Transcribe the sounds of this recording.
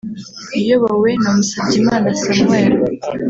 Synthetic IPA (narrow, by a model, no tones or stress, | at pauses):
ijoβawenamusaɟimaːnasamweːɾo